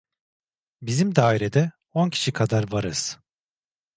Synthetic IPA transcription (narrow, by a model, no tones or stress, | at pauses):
bizimd̪aːiɾed̪ɛ | oncʰi̥ʃikʰad̪aɾvaɾɯz̥